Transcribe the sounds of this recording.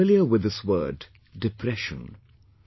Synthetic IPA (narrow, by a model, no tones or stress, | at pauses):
ɪlˠijəwɪðɪswɜ̰˞dː | ɨpʰɹɛʃə̰̃n